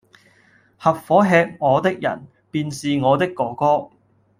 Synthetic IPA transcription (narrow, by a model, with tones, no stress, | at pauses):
hɐ˨p̚fɔː˨˥ɦɛː˧k̚ŋɔː˨˧t̪ɪ˥k̚jɐ̰˨˩n | piː˧nsiː˨ŋɔː˨˧t̪ɪ˥kːɔː˨˥kɔː˥